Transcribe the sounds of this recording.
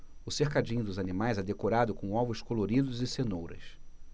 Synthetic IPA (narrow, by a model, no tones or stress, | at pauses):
ʊsehkad͡ʒĩɲʊd̪ʊzanimajzɛd̪ekoɾad̪ʊkõw̃ɔvʊskoloɾid̪ʊzɪsenowɾɐ̰s